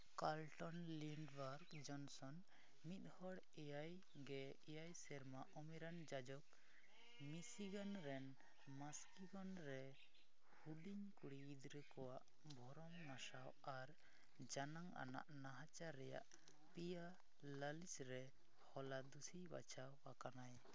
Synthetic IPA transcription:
kalʈɔnliɳɖbaɾɡd͡ʒɔnsɔn | mit̪̚ˀhɔɽ | ɛjaj | ɡɛ | ɛjajsɛɾmaʔɔmɛɾand͡ʒad͡ʒɔk̚ | misiɡanɾɛn | maskiɡɔnɾɛ | huliɲkuɽiːd̪ɾɛkɔwaʔ | bʱɔɾɔŋnasaw | aɾ | d͡ʒanaŋa̰na̰ʔnaɦat͡ʃaɾːɛja̰ʔ | pija | ləlisɾɛ | hɔlad̪usiba̰t͡ʃʰawakanaj

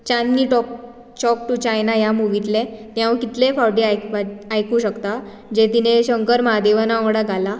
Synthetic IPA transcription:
t͡ɕanːiʈɔk̚ | t͡ɕɔk̚ʈut͡ɕajnajamuʋit̪lenjãʋkit̪lefawɾɖiajkʋaajkuːɕəkt̪a | d͡ʑet̪ineɕəŋkəɾmad̪eʋənaɔ̃ɽaɡʱala

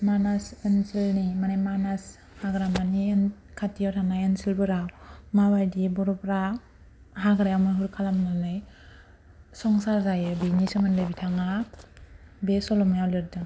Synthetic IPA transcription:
manasensilnimanajmanas | haɡɾamanien | kʰatijawtʰanajensilbɯɾawmawajdibɔɾɔbɾa | haɡɾajawmɯɦuɾkʰalamnɯnɯj | sɔŋsaɾzajɯbinisɯmɯnlebitʰaŋa | besɔlɔmjawleɾdɯn

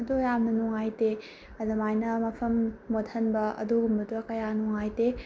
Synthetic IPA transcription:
dujamnɐnɔŋajte | ɐdɐmajnɐmɐpʰɐmːotʰɐnbɐɐ̰duɡumbɐtɐkɐjanɔŋajte

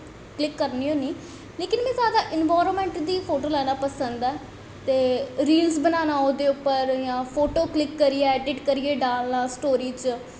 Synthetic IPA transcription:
klɪkːəɾniːoːniː | leːkɪnmɛ̃ːzjaːd̪aːʔɪnʋaːɾənmɛ̃ːɳʈd̪iːpʰoːʈoːlɛːnaːpəsənd̪ɛː | t̪eːɾiːlsbənaːnaːod̪eːʊpːəɾjãːpʰoːʈoːklɪkːəɾieɛːɖɪʈkəɾieːɖaːlnãːsʈoːɾiːt͡ʃ

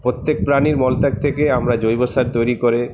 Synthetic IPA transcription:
pɾot̪ːek̚pɾaniɾmɔlt̪ak̚t̪ʰekeamɾad͡ʑojbosaɾt̪ojɾikoɾe

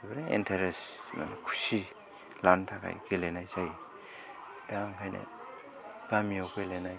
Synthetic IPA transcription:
ibɾeḛntʰaɾesna̰nkʰu̥si | lantʰakʰa̰jɡelenajzaj | d̥aŋkʰajnḛ | ɡ̥amijɔkelenaj

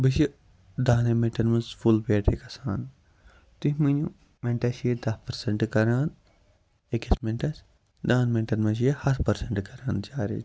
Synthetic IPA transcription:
bɨʃ̬i | d̪aːnemẽɳʈɐnmɐnsfulpeʈʰekɐsaːn | t̪uɦʲmɨnu | mẽɳʈɐsjed̪ɐhpɐɾseɳʈkɐɾaːn | ekɐsmẽɳʈɐs | d̪aːnmeɳʈɐnmɐs̬jehɐt̪ʰpɐɾseɳʈkɐɾaːnd͡ʒaːɾḭ

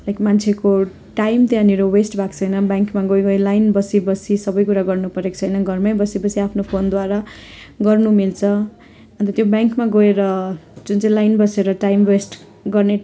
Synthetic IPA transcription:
ekmant͡sʰeko | ʈajmt̪ãniɾowesʈbʱakt͡sʰʌjnʌbjaŋkmaɡojɡʌilajnbʌsibʌsisʌbʌjkuɾaɡʌrnupʌɾekt͡sʰʌjnʌɡʌrmʌjbʌsibʌsiapʰnopʰond̪waɾa | ɡʌrnumilt͡sʰʌ | ʌ̃nt̪ʌt̪jobjaŋkmaɡoeɾʌd͡zunt͡sʌĩlajnbʌseɾʌʈajmwesʈ | ɡʌrne

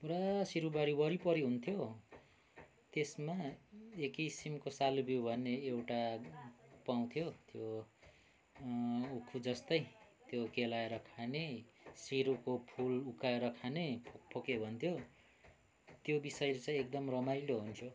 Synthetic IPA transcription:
puɾasiɾubaɾibʌɾipʌɾiɦunt̪ʰjo | t̪esmaekisimkosalubowbʱʌnːeewʈa | paw̃t̪ʰjot̪jo | ukʰud͡zʌst̪ʌjt̪jokelaeɾʌkʰanesiɾukopʰulukaeɾʌkʰanepʰopʰokebʱʌnt̪ʰjo | t̪jobisʌjlet͡sãj̃ek̚d̪ʌmrʌmajloɦunt̪ʰjo

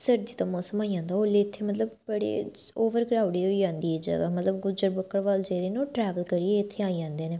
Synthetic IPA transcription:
səɾd̪iːt̪ãːmɔːsəmaːid͡ʒãːnd̪aːoːleɪt̪ʰːeːmət̪ləbbəɽḛːoːʋəɾɡɾaːʊɽiːɦoiːd͡ʒãːnd̪iːɛːd͡ʒə̰ɡa̰ːmət̪ləbɡʊd͡ʒəɾbəkːəɽʋaːld͡ʒeːɾeːnːoːʈɾɛːʋəlkəɾieɪt̪ʰːeːaːid͡ʒãːnd̪eːneː

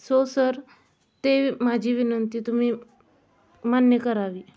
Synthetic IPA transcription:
sosəɾ | t̪eːmaːd͡ʒiʋɪnənt̪it̪ʊm̤ĩ | manjəkəɾaːʋiː

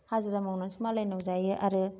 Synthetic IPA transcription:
hazɯɾamawnansʰimalajnawzajɯʔaɾɯ

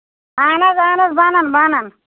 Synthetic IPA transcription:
aːnɐzaːnɐzbaːnanbanɐn

